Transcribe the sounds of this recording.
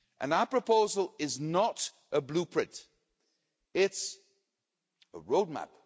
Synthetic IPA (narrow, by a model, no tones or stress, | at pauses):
ʔə̰̃naʊəpʰɹ̥əpʰoʊzəl̩ˠɪznəɾ | ʔəblupʰɹ̥ɪ̃nt | ɪts | ə̰ɹoʊd̚mæ̰p